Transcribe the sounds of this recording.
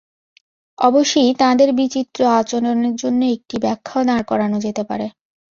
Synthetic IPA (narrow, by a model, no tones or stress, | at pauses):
ɔboʃːojt̪ãd̪eɾbit͡ɕit̪ːɾoat͡ɕoɾoneɾd͡ʑonːoek̚ʈibɛkʰːad̪aɾkɔɾanod͡ʑet̪epa̰ɾe